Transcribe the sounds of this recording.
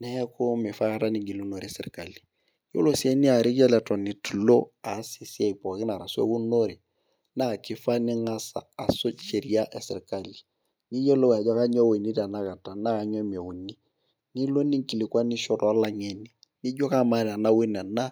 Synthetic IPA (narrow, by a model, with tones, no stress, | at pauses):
nɛ˦hɛ˦ko˦mɪ˨fa˦ka˦ta˦ni˦ŋɡi˨lu˦no˨ɾɛ˨sɪ˨ɾka˨li˨ | jo̰˦lo˦si˦e˦ni˦a˨ɾɪ˦ɡa˦lɛ˨tɔ˨ni˨tu˨lo˦a˨˦si˨si˦ɛ˦˨i˨pɔ˨kɪ˦na˨ɾa˨su˦ḛ˦wu˦no˦ɾi˨ | na˦˨kɪ˦fa˦nɪ˦ŋa˦sa̰ː˨so˦t͡ʃe˨ɾi˦a˦ʔɛ˨sɪ˨ɾka˨li˨ | ni˦jo˦lo˦wa˨d͡ʒɔ˦ka˦ɲɔ˦we˨ni˦ɾi˨a˨na˦ka˨ta˨na˦a˨ɲɔ˦me˨wu˨ni˦ | ni˦lo˦ni˦ŋ˦ki˨li˨ka˦nɪ˦ʃɔ˨ɾɔ˨a˦la˦ɲe˨ni˨ | ni˦ɟɔ˦ka˦ma˨ɾi˨a˨na˦wɪ˦na˨na˦